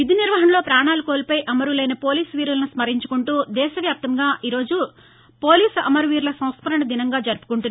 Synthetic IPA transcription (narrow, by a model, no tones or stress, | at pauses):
ʋid̪ʱiniɾʋɐɦɐnɐlo̞ːpɾaːɳaːlukoːlipɐjʔɐmɐɾulɐjnɐpo̞ːliːsʋiːɾulɐnusmɐɾiɲt͡ʃu̥kuɳʈuːd̪ɛːʃɐʋjaːp̚t̪ɐŋɡaːʔiːɾo̞ːd͡ʒu | poːliːsɐmɐɾuʋiːɾlɐsɐ̃w̃spɐɾɐɳɐd̪inɐŋɡaːd͡ʒɐɾpu̥kuɳʈunː